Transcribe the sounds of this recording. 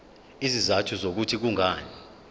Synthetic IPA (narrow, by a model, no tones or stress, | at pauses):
izizatʰuzok̬utʰik̬uŋʱaːnɛ